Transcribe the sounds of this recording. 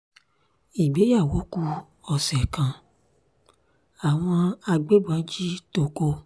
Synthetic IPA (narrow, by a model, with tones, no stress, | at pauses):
i˨ɡ͡be˨˦ja˦˨wo˨˦ku˧ | ɔ˨sɛ˨kã˨ | a˨w̃ɔ̃˧a˧ɡ͡be˦bã˨˦d͡ʒi˦to˧ko˧